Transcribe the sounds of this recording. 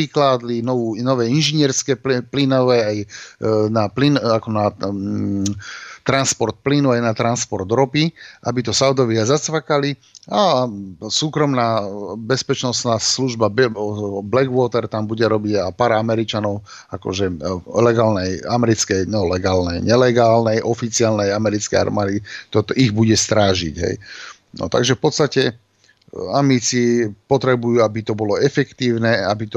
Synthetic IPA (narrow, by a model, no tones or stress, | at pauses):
iklaːd̪linɔʋuːnɔʋɛːinʒiɲɪɛɾskɛplinɔʋɛːajnaplinakɔna | t̪ɾanspɔɾt̪̚plinuajnat̪ɾanspɔɾd̪ɾɔpiʔa̰bit̪ɔsaʊd̪ɔʋiazat͡sʋakalia | suːkɾɔmnaːbɛspɛt͡ʃnɔsnaːsluʒbabblɛɡʋʊɔt̪ɛɾt̪ambuɟɛɾɔbiɟapaːɾamɛɾit͡ʃanɔʊ | akɔ̰ʒɛlɛɡaːlnɛjamɛɾit͡skɛjnɔlɛɡaːlnɛjɲɛlɛɡaːlnɛjʔɔfit͡sialnɛjamɛɾit͡skɛja̰ɾmaːd̪it̪ɔt̪iɣbuɟɛst̪ɾaːʒḭɟɦɛ̰j | nɔ̰t̪a̰ɡʒɛfpɔt̪st̪acɛ | amit͡sipɔt̪ɾɛbujuːabit̪ɔbɔlɔɛfɛkt̪iːʊnɛabit̪ɔ